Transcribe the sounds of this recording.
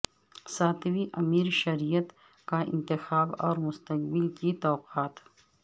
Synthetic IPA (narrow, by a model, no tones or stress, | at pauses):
saːt̪ʰwiʔɐmiːɾʃɐɾijət̪ | kaɪ̰̃nt̪ɪxaːbɔ̰ːɾmʊst̪ək̚bɪlkit̪ɔːqaːt̪